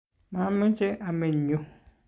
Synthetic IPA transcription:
mã˨˦mɪ̃˦t͡ʃe˦ʔa˨mẽ˨ɲõ˦

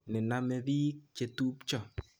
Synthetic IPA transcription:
nɪ˨na˦mɛ˨bi˦kt͡ʃe˨tu˦pt͡ʃɔ˦˨

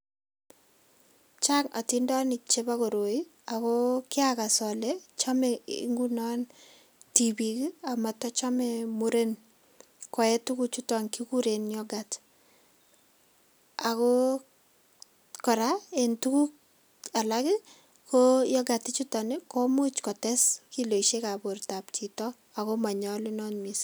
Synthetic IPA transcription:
t͡ʃa˦ŋa˨tindɔ˦ni˨t͡ʃeba˦ko˨ɾo˨i˦ | akɔ˦kɪ˦aka˨sɔ˨lɛt͡ʃa˦mɛ̰˨˦ŋɡu˦nɔ˦n | tibikia˨ma˨tɔ˦t͡ʃa˦mɛmu˦ɾe˦n | kɔ˨ɛ˦tu˦ku˦t͡ʃu˦tɔ˨ŋkiku˦ɾe˨njɔɡat | akɔ˦ | kɔ˨ɾae˨ntu˦ku˦ | a˨lakɪ˦ | kojɔ˦ɡa˨tɪ˦t͡ʃutɔ˨nɪkɔ˦mʊ˦t͡ʃkɔ˨tɛ˦ski˦lo˨iʃe˦ka˨bo˨rta˨p̚t͡ʃi˨tɔ | a˨kɔ˦ma˨ɲɔlɪ˦nɔnmis

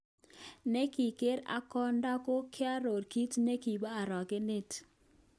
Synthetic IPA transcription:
ne˦ki˨ke˦ɾa̰˦kɔ˦nda˦ko˦kʰɪ˦a˦ɾo˨rki˦tne˦ki˨ba˦a˨ɾɔ˨ɡe˦nɪ˦t

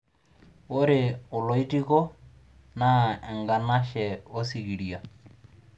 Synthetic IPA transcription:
o˦ɾɪʊ˨lo˨i˦ti˦kɔ˦ | na˦ɛ˨ŋɡa˨na˦ʃɛ˨o˦si˨ki˨ɾia˨

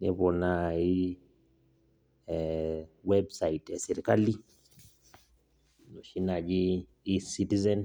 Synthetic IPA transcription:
ni˦βɔ˨nai˦ | wɛbsa˨itɛ˨sɛ˨ɾi˨ka˦li˦ | no˨ʃi˦na˨d͡ʒiː˦ | si˦ti˦zɛn

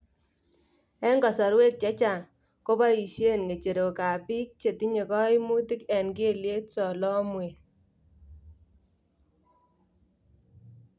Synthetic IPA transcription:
ɛ˦ŋɡɔ˨sɔ˨ɾwe˦k̚t͡ʃɛ˦t͡ʃa˨n | ko˦ba˦i˨ʃje˦nŋe˨t͡ʃe˨ɾo˨ka˨pi˦k̚t͡ʃe˨ti˦ɲe˨kɔ˦i˦mu˦ti˦kɛ˨nɡe˦˨lje˦tsɔ˨lɔ˦mwe˨

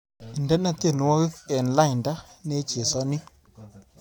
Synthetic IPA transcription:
nda˦na˦t̪e˦˨nu˨˦wa˦ɣi˦ke˨n˨la˦˨jnda˦ne˦t͡ʃe˨sa˦ni˦

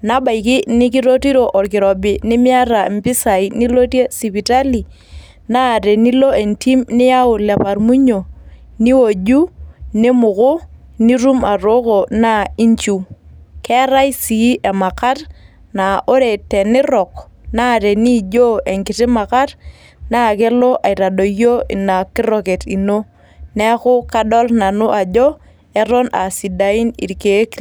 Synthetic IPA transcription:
na˨ba˨i˨ki˦ni˦k̬i˦ɾo˦ti˦ɾo˨ʔo˨ɾkɪ˨ɾɔ˨bi˨nɪ˦mi˦a˦ɾa˨m˦pɪ˦sa˨i˨ni˦lo˦tje˦si˨pi˨ta˦li˨ | na˦˨ɾe˨ni˦lo˦e˨nti˦mnɪ˦ja˦ʊ˨lɛ˨pa˨ɾmu˦ɲo˨ | ni˦wo˨d͡ʒu˦ni˦mʊ˨kʊ˦ | ni˦ɾu˦ma˨ro˦ko˨na˦i˦ɲt͡ʃu˨kɛ˦ɾa˦jsi˨˦ʔe˨ma˨ka˦t | na˨ʔo˦ɾe˨tɛ˨nɪ˦ɾɔ˨kna˦˨ɾe˨ni˦d͡ʒo˦e˨ŋkɪ˨tɪ˦ma˨ka˦t | na˦ke˦lo˦ʔa˨i˨ɾa˨do˨jo˦ḭ˨na˨kɪ˦ɾo˨ke˨ti˨no˦ | nɛ˦kʊ˦ka˦ɗɔ˦lna˨nʊ˦ʔa˨d͡ʒo˦ | ɛ˦ɾo˦na˨si˨da˨ɪ˦nḭ˨ɾke˨˦k

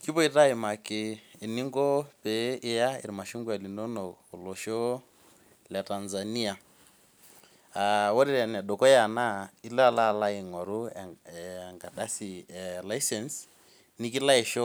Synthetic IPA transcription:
ki˦βɔ˦i˦ta˦i˨ma˨kɪː˨ni˦ŋɡɔ˦pe˨˦ɪ˦ja˦ɪ̰˨ɾma˨ʃu˦ŋɡa˨li˨no˦no˨o˨lo˨ʃo˦ | lɛ˨ta˨nza˨ni˦a˨ | a˨wɔ˦ɾi˦ɾa˨n˨ɛ˨ɗo˨kɔ˦ja˨na˦˨i˦la˦˨la˦˨la˦ɪ˨ŋɔ˨ɾu˦˨a˨ŋɡa˨ɗa˦si˨la˦jsɛ˨ns | ni˦ki˦la˦i˨ʃo˦

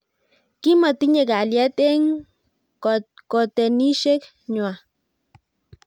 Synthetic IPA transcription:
ki˦ma˨t̪i˦ɲe˨ka˨lja˦t̪e˦ŋ | ko˨t̪e˨ni˦ʃe˦k | ɲwa˨

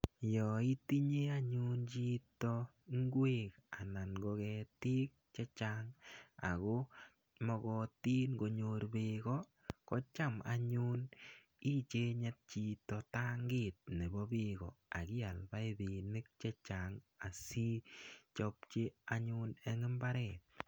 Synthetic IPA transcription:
jɔ˨i˦ti˦ɲe˦a˦ɲu˦nt͡ʃi˦tɔ˧ | ŋɡwe˦ka̰˨na˨nɡɔ˧kɛ˧ti˦k̚t͡ʃe˦t͡ʃaŋa̰˨ko˦ | mɔ˧kɔ˧ti˦nɡo˨ɲo˧ɾbe˧ɡɔ˦ | kɔ˦t͡ʃa˦ma̰˨ɲu˦n | i˦t͡ʃe˦ɲɛ˦t̚t͡ʃi˨tɔ˨ta˦ŋɡɪ˦t̚ne˨bɔ˦bi˦ɣɔ˨a˨kɪ˦a˨lba˦ɪ˦ði˨nɪ˦k̚t͡ʃe˦t͡ʃaŋa˨si˦t͡ʃɔ˦pt͡ʃe˦a˦ɲʊ˦ne˦ŋɪ˦mba˦ɾɛ˨t̚

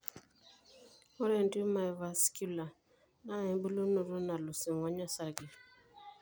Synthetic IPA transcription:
o˦ɾɛ˨nti˦ma˨ɛ˨va˨sku˦la˨ | na˦ɛ˨˦bu˦lo˦no˨ɾo˦na˨lʊ˨sɛ˨ŋɔ˨˦ɲa˦sa˦ɡe˨

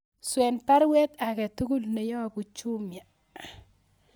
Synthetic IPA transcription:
swɛ˨npa˦ɾwɛ˦t̪a˨kɛ˨tu˦ɡu˦lne˨jɔ˦ku˨t͡ʃu˦mja˨

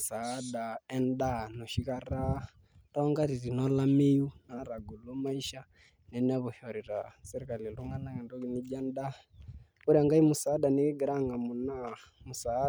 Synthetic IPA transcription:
sa˨˦da˨ɛ˦nda˦nɔ˨ʃi˦ɣa˦ɾa˦ | tɔ˦ŋɡa˦ɾi˨ɾi˨nɔ˦la˦mi˦ju˦na˨˦ɾa˨ɡu˨lu˦ma˦i˦ʃa˦ | nɛ˨nɛ˦βu˨ʃɔ˨ɾi˨ɾa̰sɛ˦ɾi˦ka˨li˨lu˦ŋa˦na˦kɛ˨ndɔ˦ɣi˦ni˦d͡ʒa˦nda˦ | u˦ɾi˦a˨ŋɡa˦i˦mu˨saː˨˦da˨ni˦ɣi˦ɡɛ˨ɾa˦ŋa˨mu˨na˦mu˨sa˨˦

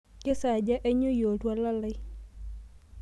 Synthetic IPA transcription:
ke˦sa˨d͡ʒa˦ʔe˦ɲo˦jo˨twa˦la˦lɪ˦

